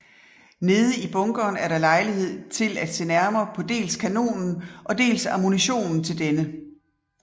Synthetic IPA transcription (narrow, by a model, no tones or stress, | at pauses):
ne̝ːð̞ˠəib̥ɔ̽ŋɡ̥ɒːnæɐɾɑ̈lɑ̈ɪlihe̝ð̞̰ˠt͡sʰe̝læd̥sḛːnæɐmɐːpʰɒ̽d̥e̝̰ːlskʰæno̝̰ːnn̩ʔɒ̽d̥e̝̰ːlsɑmuniɕo̝̰ːnn̩t͡sʰe̝ld̥enə